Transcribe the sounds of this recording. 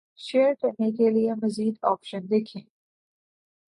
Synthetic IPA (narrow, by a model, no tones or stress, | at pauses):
ʃeːɾʈɛk̚nikelijemɐziːd̪ɔ̰ːpʃə̃nd̪ekʰẽː